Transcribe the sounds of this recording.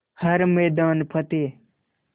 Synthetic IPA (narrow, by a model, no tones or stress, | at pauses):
hɐɾmeːd̪aːnpʰət̪eː